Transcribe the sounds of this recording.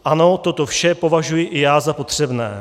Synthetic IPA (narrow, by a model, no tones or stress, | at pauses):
ʔano̞t̪o̞t̪ofʃɛpo̞vaʒujɪʔɪjaːzapo̞t̪r̝̥ɛbnɛ̰ː